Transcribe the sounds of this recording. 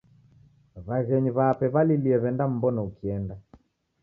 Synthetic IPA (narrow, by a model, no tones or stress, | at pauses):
βaɣɛɲiβaːpɛβaliliɛβɛndam̩bɔnaukiɛnda